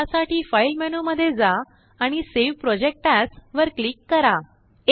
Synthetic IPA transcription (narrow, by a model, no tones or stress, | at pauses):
asaʈiːfajlmɛnuməd̪ʱːjed͡za | aɽ̃iseʋpɾɔd͡ʑek̚ʈasʋəɾklikːəɾa